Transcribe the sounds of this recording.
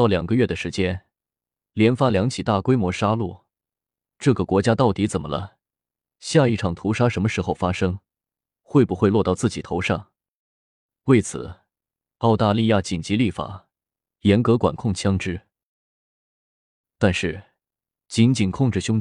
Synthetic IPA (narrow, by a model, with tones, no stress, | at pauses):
t̪ɑ˥˩ʊljɑ̰˨˩ŋɡə˦ɥɛ˥˩d̪ə˩ʂɻ̩˧˥t͡ɕjɛ˥n | ljɛ˧˥nfa˥ljɑ˧˥ŋt͡ɕʰi˨˩t̪a˥˩kwe˥ɪmwɔ˧˥ʂa˥lu˥˩ | ʈ͡ʂɤ˥˩ɡə˩kwɔ˧˥t͡ɕja˥t̪ɑ˥˩ʊt̪i˧˥t͡sə˨˩mə˦lə̰˧ | ɕja˥˧i˥˩ʈ͡ʂʰɑ˨˩ŋt̪ʰu˧˥ʂa˥ʂə˧˥nmə˧ʂɻ̩˥˧xo˥˩ʊfa˥ʂɤ˥ŋ | xwe˥˩ɪpu˧xwe˥˧ɪlwɔ˥˧t̪ɑ˥˧ʊt͡sɹ̩˥˩t͡ɕi˨˩t̪ʰo˧˥ʊʂɑ˥˩ŋ | we˥˩ɪt͡sʰɹ̩̰˨˩ | ɑ˥˧ʊt̪a˥˧li˥˧ja˥˩t͡ɕi˨˩nt͡ɕi˧˥li˥˩fa̰˨˩ | jɛ˧˥nkɤ˧˥kwa̰˨˩nkʰʊ˥˩ŋt͡ɕʰjɑ˥ŋʈ͡ʂɻ̩˥ | t̪a˥˧nʂɻ̩˥˩ | t͡ɕi˧˥nt͡ɕi˨˩nkʰʊ˥˧ŋʈ͡ʂɻ̩˥˩ɕjʊ˥ŋ